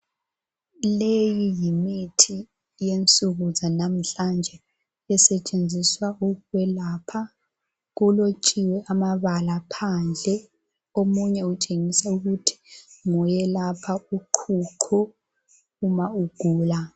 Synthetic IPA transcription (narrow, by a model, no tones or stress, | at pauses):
lejijimitʰi | jent͡sʼuɣuzanam̩ɬand͡ʒʱɛ | ɛsɛt͡ʃʼend͡zʱiswaukuwɛlapʰa | ɣ̬ulot͡ʃʼiwɛʔamaβalapʰand͡ɮʱɛ | omuɲɛut͡ʃʼeŋisauɣutʰi̥ŋɔjɛlapʰauǃʰuǃʰuː | mauɡ̥ʱuːla